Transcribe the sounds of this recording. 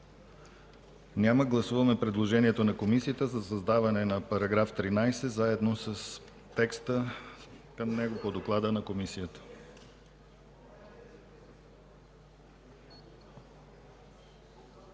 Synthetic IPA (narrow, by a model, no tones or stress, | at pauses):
nʲaməɡlˠɐsuvɐmɛpɾɛd̪lˠoʒɛniɛt̪onɐkomisiət̪əzɐsɐzd̪avɐnɛnɐpɐɾɐɡɾaft̪ɾinajsɛzaɛd̪nosəs | t̪ɛkst̪ə | kəmnɛɡopod̪oklˠad̪ənɐkomisijət̪ə̥